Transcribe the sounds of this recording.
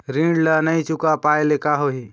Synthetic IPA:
ɾĩːɳlanɐĩt͡ʃʊkapaːelekaɦoɦi

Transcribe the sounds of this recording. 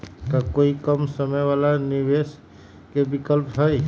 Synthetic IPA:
k̪akoikəmsəməjʋalaniʋes | kebikəlpɦəj

